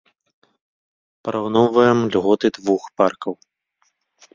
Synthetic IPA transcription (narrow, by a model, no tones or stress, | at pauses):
pɐɾawnɔwvɐjɛmlʲɣɔt̪ɨd̪vuxparkɐw